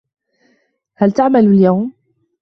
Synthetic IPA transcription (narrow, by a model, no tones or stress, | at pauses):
halt̪aʕmalljawm